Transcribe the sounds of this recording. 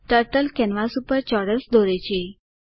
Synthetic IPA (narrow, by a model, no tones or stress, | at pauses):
ʈəɾʈəlkɛnʋasupəɾt͡ʃɔɽəsd̪oɾet͡ʃʰe